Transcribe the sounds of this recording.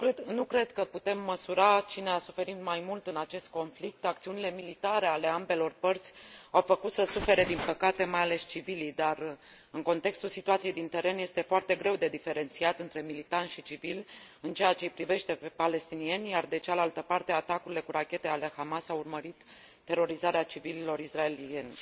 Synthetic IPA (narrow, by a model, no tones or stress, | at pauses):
nukɾe̞d̪kəput̪e̞mːəsuɾat͡ʃine̞asufe̞ɾit̪majmult̪ɨnat͡ʃe̞st̪̚ko̞nflik̚t̪ak̚t̪siunile̞milit̪aɾe̞ale̞ambe̞lo̞rpərt̪sʲawfəkut̪səsufe̞ɾe̞d̪inpəkat̪e̞majale̞st͡ʃivilijd̪ar | ɨŋko̞nt̪e̞kst̪ulsit̪uat̪sijejd̪int̪e̞ɾe̞nje̞st̪e̞foart̪e̞ɡɾe̞wd̪e̞d̪ife̞ɾe̞nt̪siat̪ɨnt̪ɾe̞milit̪anʃit͡ʃivilʲɨnt͡ʃeat͡ʃe̞pɾive̞ʃt̪e̞pale̞st̪inie̞nʲjard̪e̞t͡ʃealalt̪əpart̪e̞at̪akuɾile̞kuɾakʲe̞t̪e̞ale̞hamasawurməɾit̪ː | e̞ɾo̞ɾizaɾeat͡ʃivililo̞ɾisrae̞lie̞nʲ